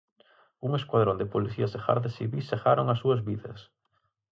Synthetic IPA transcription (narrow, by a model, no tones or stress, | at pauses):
uŋeskwaðɾond̪epoliθiasexa̰ɾðesiβisːexaɾoŋasuɐzβiðɐ̰s